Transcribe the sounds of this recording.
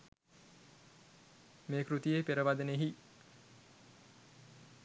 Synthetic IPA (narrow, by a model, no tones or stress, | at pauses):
meːkɾut̪ijeːpeɾəʋad̪əneɦi